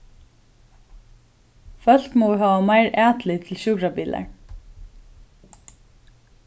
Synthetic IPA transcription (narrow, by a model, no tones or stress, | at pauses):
fœl̥k̪mɔɪɦaːʋamajɹæːt̪lɪt̪ʰɪlɕʊkɾabiːla̰ɹ